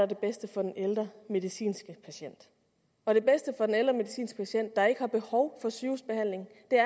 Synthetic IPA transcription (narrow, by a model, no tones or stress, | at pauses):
æɐd̥e̝b̥esd̥əfɒ̽d̥eneld̥ʁɐme̝ðˠisḭːnsɡ̥əpʰæɕen̰d̥ | ɒ̽d̥e̝b̥esd̥əfɒ̽d̥eneld̥ʁɐme̝ðisḭːnsɡ̥əpʰæɕen̰d̥ːɑ̈e̝ɡ̥əhɑ̈b̥e̝hɒʊfɒ̽syːsb̥e̝hæn̰le̝ŋ̩d̥e̝æɐ